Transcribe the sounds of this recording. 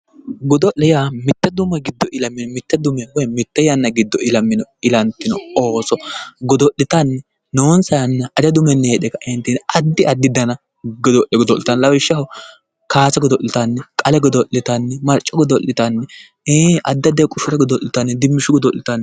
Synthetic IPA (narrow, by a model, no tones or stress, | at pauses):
ɡɔd̪ɔʔlɛjamɪt̪ːɛd̪ʊmɛɡɪd̪ːɔʔɪlɐmːɪnɔmɪt̪ːɛd̪ʊmɛwɔjmɪt̪ːɛjɐnːɐɡɪd̪ːɔɪlɐmːɪnɔɪlɐnt̪ːɪnɔoːsɔɡɔd̪ɔʔːɪt̪ɐnːɛ | noːnsɐjɐnːɐɐd͡ʒɐd̪ʊmɛnːeːᶑɛkɐʔɛnt̪inɐd̪ːɪɐd̪ːɪd̪ɐnɐ | ɡɔd̪ɔʔɛɡɔd̪ɔʔlɪt̪ɐnlɐwɪʃːɐhɔ | kaːsɐɡɔd̪ɔʔːɪt̪ɐnːɛkʼɐlɛɡɔd̪ɔʔːɪt̪ɐnːɛmɐɾt͡ʃʼːɔɡɔd̪ɔʔːɪt̪ɐnːɛ | eʔɐd̪ːɐd̪ɛkʼʊʃʊɾɛɡɔd̪ɔʔːɪt̪ɐnːɛd̪ɪmːɪʃʊɡɔd̪ɔʔːɪt̪ɐnːɛ